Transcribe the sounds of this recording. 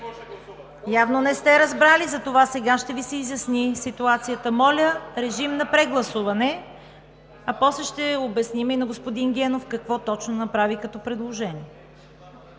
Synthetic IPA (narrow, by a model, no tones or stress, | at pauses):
javnonɛst̪ɛɾɐzbɾalizɐt̪ovasɛɡaʃt̪ɛvisɛizjɐsnisit̪uat̪sijət̪əmɔlʲəɾɛʒimnɐpɾɛɡlˠɐsuvɐnɛ | ɐpɔslɛʃt̪ɛobɛsniminɐɡospod̪inɡʲɛnofkɐkvɔt̪ɔt͡ʃnonɐpɾavikɐt̪ɔpɾɛd̪lˠoʒɛnʲiɛ